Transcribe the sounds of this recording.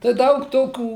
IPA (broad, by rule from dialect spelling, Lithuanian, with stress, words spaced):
tɐɪ ˈdɐʊk ˈtoːkʲuː